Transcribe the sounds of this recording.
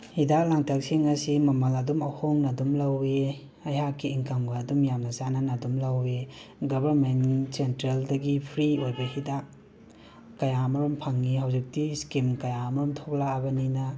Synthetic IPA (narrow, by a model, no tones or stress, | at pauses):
hidaklaŋtʰak̚siŋɐsimɐmɐlɐdumɐhoŋnɐdumlɐwe | ɐjɦakːiːŋkamɡɐːdumjamnɐsanɐnɐdumlɐweɡɐbɐɾmensentɾeldɐɡipʰɾiojbɐhidaʔ | kɐjamɐɾɔmpʰɐŋːihɦawzik̚tiskimkɐjamɐɾɔmtʰok̚laːbɐninɐ